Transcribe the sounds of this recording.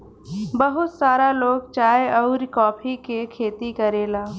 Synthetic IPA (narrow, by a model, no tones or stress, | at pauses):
bəɦʊt̪saːɾaloːɡt͡ʃaːjɔʊɾkɔːpʰikekʰeːt̪ikəɾeːlaː